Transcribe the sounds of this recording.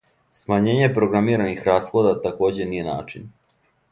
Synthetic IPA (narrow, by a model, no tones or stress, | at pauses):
smaɲe̞ːɲe̞pɾo̞ɡɾamiːɾanixɾaːslˠod̪at̪ako̞ːd͡ʑenije̞na̰ːt͡ʃin